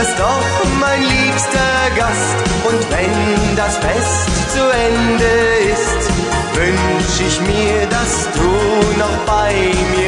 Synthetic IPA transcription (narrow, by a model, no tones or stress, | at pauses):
ɪstɔχ | maɪnliːpstɐ | ɡast | ʔʊntv̥ɛn | dasfɛst | t͡suɛndəɪst | vʏnʃəɪçmiːɐdas | d̥uːnɔχb̥aɪmiː